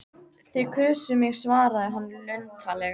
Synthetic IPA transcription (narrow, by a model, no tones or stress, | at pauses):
θɪkʰʏːsʏmɪɣsvaːɾaðɛɦanːlœɥnt̪ʰalɛ